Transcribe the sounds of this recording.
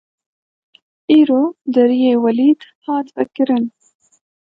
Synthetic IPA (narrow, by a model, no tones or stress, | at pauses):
ʔiːɾoːd̪ɐɾijeːwɐliːd̪hɑːt̪vɛ̰kɨɾɨn